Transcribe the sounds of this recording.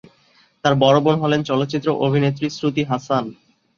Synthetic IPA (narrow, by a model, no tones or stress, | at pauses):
t̪aɾbɔɾobonɦɔlent͡ɕɔlot̪ːɕit̪ːɾoʔobʱinet̪̬ːɾisɾut̪iɦasan